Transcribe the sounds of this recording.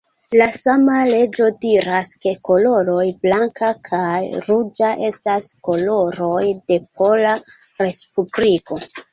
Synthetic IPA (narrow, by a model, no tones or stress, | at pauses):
lasamale̞d͡ʒo̞diɾaske̞ko̞lo̞ɾo̞jblaŋkakʰajɾud͡ʒaʔe̞stasko̞lo̞ɾo̞jde̞p̚o̞la | ɾe̞spubliko̞